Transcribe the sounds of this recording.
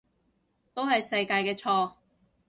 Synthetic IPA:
t̪o˥wɦɐ˨jsɐ˧jkaː˧jkɛː˧t͡ʃʰɔː˧

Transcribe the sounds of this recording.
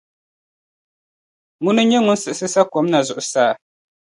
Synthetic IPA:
ŋu˦nɨ˦ɲɛ˦ŋʊ˦n̩˦sɨ˨ʔɨ˨sɨ˦sa˦ko˨˦mna˨zʊ˨ʔʊ˨saː˦˨

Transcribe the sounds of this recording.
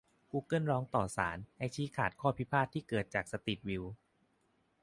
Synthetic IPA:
kuː˧kɯ˥˩nɾɔː˦˥ŋt̪ɔː˨˩saː˩˦nʔa˧˩jt͡ɕʰiː˦˥kʰaː˨˩t̪̚kʰɔː˥˩pʰi˦˥pʰaː˥˩t̪ʰːiː˥˩kɤː˨˩t̪̚t͡ɕaː˨˩k̚sa˧t̪i˨˩t̪̚wi˧w

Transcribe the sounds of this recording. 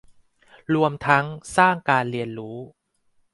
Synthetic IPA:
ɾu˧əmt̪ʰa˦˥ŋsaː˥˩ŋkaː˧nɾi˧ənɾuː˦˥

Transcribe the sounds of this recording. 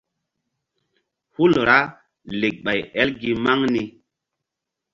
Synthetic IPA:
hu˦lɾa˦ | le˨k̚ɓa˨jɛ˦lɡi˨ma˦ŋni˨˦

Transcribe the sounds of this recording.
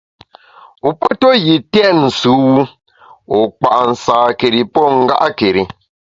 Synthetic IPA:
u˨pɔ˦tɔ˦ji˨tɛ˦n̩˨su˨˦wu˦ | o˨k͡pa˨ʔn̩˨saː˨ke˨ɾi˨pɔ˦ŋ̩˦ɡa̰˦ʔa˦ke˨ɾi˨

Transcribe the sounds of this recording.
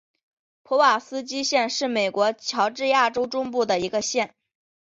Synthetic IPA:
pʰɔ˧˥wa˨˩sɹ̩˥t͡ɕi˥ɕjɛ˥˧nʂɻ̩˥˩me˨˩ɪkwɔ˧˥t͡ɕʰjɑ˧˥ʊʈ͡ʂɻ̩˥˧ja˥˩ʈ͡ʂo˥ʊʈ͡ʂʊ˥ŋpu˥˩d̪ə˩i˧˥ɡə˧ɕjɛ˥˩n

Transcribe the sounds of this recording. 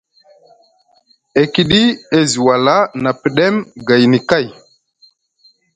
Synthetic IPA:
e˨ki˦ɗi˦e˦zi˨wa˨la˦na˨pi˨ɗe˦mɡa˨jni˨ka˦˨j

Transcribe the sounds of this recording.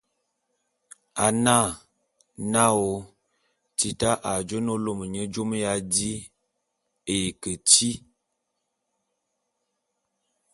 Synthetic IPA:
a˨na˦˨ | na˦o˨ | ti˨ta˦ʔa˨d͡ʒo˦no˦lo˦mə˨ɲə˦d͡ʒo˦m˦ja˦di˦ | e˨kə˨ti˦

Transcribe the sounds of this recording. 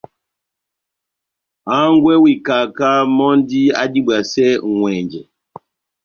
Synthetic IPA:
a˦ŋ˦ɡwɛ˦wi˨ka˨ka˦mɔ˦n˦di˦a̰˦di˦bwa˨sɛ˦˨ŋwɛ˨nd͡ʒɛ˨

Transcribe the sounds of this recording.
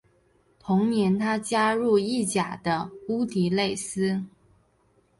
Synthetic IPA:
t̪ʰʊ˧˥ŋnjɛ˧˥nt̪ʰa˥t͡ɕja˥ɻu˥˧i˥˩t͡ɕja˨˩d̪ə˦u˥t̪ʰi˨˥le˥˩ɪsɹ̩˥

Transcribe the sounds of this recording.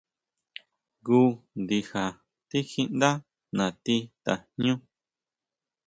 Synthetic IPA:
ɡu˦nd̪i˧xa˨ | t̪i˦xi˧ʔnd̪a˦ | nã˨t̪i˧t̪a˨ɲũ˦

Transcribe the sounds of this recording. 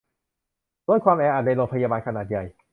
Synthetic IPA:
doː˧˥˦jkʰwaː˧mʔɛː˧ʔaː˨˩da˧jloː˧˩pʰa˧jaː˧baː˧nkʰa˧naː˨˩t̪̚ja˨˩j

